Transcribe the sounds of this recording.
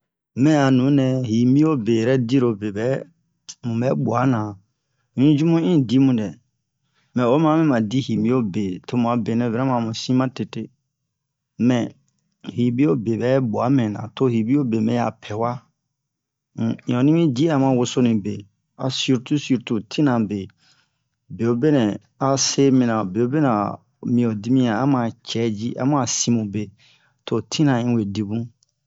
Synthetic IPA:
mɛ̃˦a˨nũ˨˦nɛ̃˧hi˨mbĩ˦o˦be˨ɾɛ˦di˦ɾo˨be˨bɛ˦ | mũ˨bɛ˦ɓu˨a˨˦nã˨ | ɲĩ˦d͡ʒu˦mũ˦ĩ˦di˦mũ˨dɛ˨ | mɛ̃˨o˨˦mã˨˦mɛ̃˦mã˨di˦hi˨mbĩ˦o˦be˨tʰo˦mũ˨a˨be˨nɛ̃˨vɛ˨ɾɛ̃˦mã˨mũ˨sĩ˦mã˦te˨te˦ | mɛ̃˨ | hi˨bĩ˦o˦be˨bɛ˨˦bu˨a˨˦mɛ̃˨nã̰˨to˦hi˨bi˦o˦be˨mɛ̃˦a̰˨pʰɛ˨wa˦˨ | ɔ̃˨nĩ˦mĩ˦d͡ʒi˦a˨mã˨wo˨so˦nĩ˨be˨ | a̰˨su˦ɾtu˦su˦˨ɾtu˨tʰĩ˦nã˨be˨ | be˨o˨be˦nɛ̃˨ | a˨se˦mĩ˨nã˨be˨o˦be˦nã˨ | mĩ˨o˨di˦mĩ˦a˨a˦mã˨t͡ʃɛ˨˦d͡ʒi˦ʔa̰˦mũ˦a˨sĩ˨mũ˨be˨ | tʰo˨tʰĩ˦nã˨ĩ˦we˨di˨bũ˦

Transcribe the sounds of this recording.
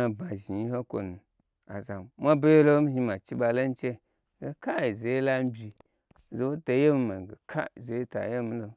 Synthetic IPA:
a˨ba˨ʒi˨i˦ho˦ko̰˨nu˨ | a̰˨za˨mmʷã˦be˦lo˦m̩˦hi˧ma˨t͡ʃi˦ba˧lo˦n̩˦t͡ʃe˦˨˦ | ɡe˦ka˦i˨ze˨˦la˦m˦bʲi˨ | ze˨˦wo˦to˨je˦m˦ma˨ɡe˨kʰa̰˦˨ze˨i˦ta̰˨je˦m˦lo˨

